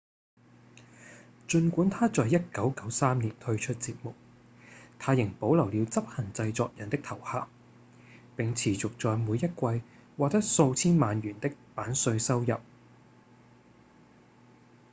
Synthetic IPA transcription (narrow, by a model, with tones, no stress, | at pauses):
t͡ʃɵ˧nkʷuː˨˥nt̪ʰaː˥t͡sɔː˨jɐ˥t̚kɐ˨˥wkɐ˨˥wsaː˥mniː˨˩nt̪ʰɵ˥ɥt͡ʃʰɵ˥t̚t͡siː˧p̚mʊ˨k̚ | t̪ʰaː˧jɪ˨˩ŋpo˨˥wlɐ˨˩wliː˨˧wt͡sɐ˥p̚hɐ˨˩ŋt͡sɐ˧jt͡sɔː˧k̚jɐ˨˩nt̪ɪ˥k̚t̪ʰɐ˨˩whaː˨p | pɪ˨ŋt͡sʰiː˨˩t͡sʊ˨k̚t͡sɔː˧jmuː˨˧jːɐ˥t̚kʷɐ˧jwaː˨k̚t̪ɐ˥t̚so˧wt͡sʰiː˥nmaː˨˧nɥyː˨˩nt̪ɪ˥k̚paː˨˥nsɵ˧ɥsɐ˥wjɐ˨p̚